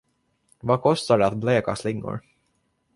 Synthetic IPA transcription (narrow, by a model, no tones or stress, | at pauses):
vakʰɔst̪aɖɛat̪̚bleːka̰slɪŋːʊ̰ɾ